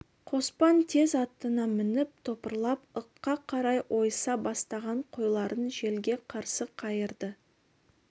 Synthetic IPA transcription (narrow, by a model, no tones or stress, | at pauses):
qʰo̞spɑnt̪ʰe̞zɑt̪ːənɑmɪnɪp̚t̪ʰo̞pəɾlˠɑpəqːɑqʰɑɾɑjwʔo̞jsɑbɑst̪ɑʁɑɴqʰo̞jlˠɑɾənʒe̞lɡʲe̞qʰɑɾsəqʰɑjəɾd̪ə